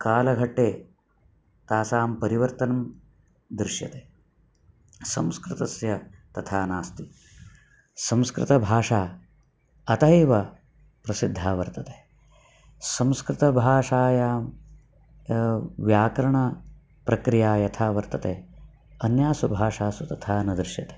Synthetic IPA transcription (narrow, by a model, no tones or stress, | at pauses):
kaːlɐɡʱɐʈːeː | t̪aːsaːmpɐɾiʋɐɾt̪ɐnɐm | d̪ɾɪʃjɐ̰t̪eː | sɐ̰̃mskɾɪt̪ɐsjɐt̪ɐt̪ʰaːnaːst̪i | sɐ̃mskɾɪ̰t̪ɐbʱaːʂaː | ɐt̪ɐiʋɐ | pɾɐsid̪ʱːaːʋɐɾt̪ɐt̪eː | sɐ̃mskɾɪt̪ɐbʱaːʂaːjaːm | ʋjaːkɐɾɐɳɐ | pɾɐkɾijaːjɐt̪ʰaːʋɐɾt̪ɐt̪eː | ɐnjaːsubʱaːʂaːsut̪ɐt̪ʰaːnɐd̪ɾɪʃjɐt̪e̥ː